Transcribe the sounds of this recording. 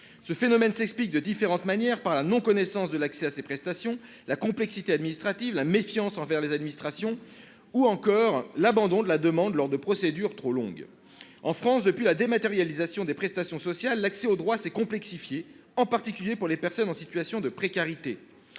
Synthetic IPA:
səfenɔmɛnsɛksplik̚d̪əd̪ifeʁɑ̃t̪manjɛʁpaʁlanɔ̃kɔnɛsɑ̃sd̪əlaksɛasepχɛst̪asjɔ̃ | lakɔ̃plɛksit̪ead̪minist̪χat̪ivlamefjɑ̃sɑ̃vɛʁlezad̪minist̪χasjɔ̃ | uɑ̃kɔʁlabɑ̃d̪ɔ̃d̪əlad̪əmɑ̃d̪lɔʁd̪əpχɔsed̪yʁt̪χolɔ̰̃ɡ | ɑ̃fχɑ̃sd̪əpɥilad̪emat̪eʁjalizasjɔ̃d̪epχɛst̪asjɔ̃sɔsjalːaksɛod̪ʁwasɛkɔ̃plɛksifje | ɑ̃paʁt̪ikʲyljepuʁlepɛʁsɔnɑ̃sit̪ɥasjɔ̃d̪əpχekaʁit̪e

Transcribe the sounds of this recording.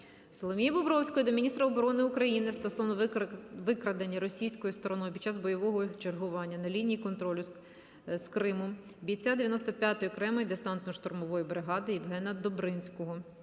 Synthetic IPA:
sɔlˠɔmʲijibɔbɾɔwsʲkɔjid̪ɔmʲinʲist̪ɾɐɔbɔɾɔnɪukɾɐjinɪst̪ɔsɔʋnɔʋɪkɾɐd̪enʲːɐɾɔsʲijsʲkɔjʊst̪ɔɾɔnɔjpʲi̥d̥̪̚t͡ʃːɑzbɔjɔʋɔɦɔt͡ʃerɦʊʋɑnʲːɐnɐlʲinʲijikɔnt̪ɾɔlʲʊ | skɾɪmʊ | bʲijt͡sʲad̪eʋjɐnɔst̪ɔpʲjat̪ɔjkɾɛmɔjd̪esɑnt̪nɔʃt̪ɔrmɔʋɔjibɾɪɦɑd̪ɪiʋɦɛnɐd̪ɔbɾɪnʲsʲkɔɦɔ

